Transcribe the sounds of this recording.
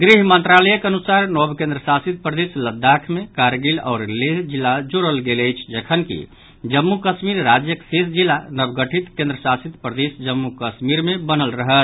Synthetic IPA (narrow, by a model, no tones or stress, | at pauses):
ɡɾiɦmənt̪ɾaləjəkeənusaɾnɔbkẽnd̪ɾəsasit̪̚pɾəd̪esləd̪ːakʰmekaɾɡilɔ̰ːɾleɦd͡ʒilːad͡ʒoɾəlɡeləjt͡ʃʰd͡ʒəkʰənkḭ | d͡ʒəmːukəsmiɾːad͡ʒjəksesd͡ʒilːanəbɡəʈʰit̪kẽnd̪ɾəsasit̪pɾəd̪esd͡ʒəmːukəsmiɾmebənəlɾəɦət̪